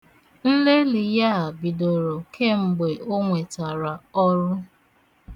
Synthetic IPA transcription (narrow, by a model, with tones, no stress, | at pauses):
n̩˦le˦li˨ja˦a˨bi˨do˨ɾo˨kʰe˦ŋ͡m̩˨ɡ͡be˨ʔo˦ŋʷe˨ta˨ɾa˨ɔ˦ɾʊ˦